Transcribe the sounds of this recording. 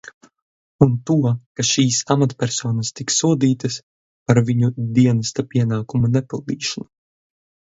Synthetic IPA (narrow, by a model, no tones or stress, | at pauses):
unt̪uɔkaʃiːsamat̪pʲɛɾsɔːnɐst̪iksuɔd̪iːt̪ɐs | paɾviɲud̪iɛnɐst̪apʲiɛnaːkumunɛpʲilˠd̪iːʃanu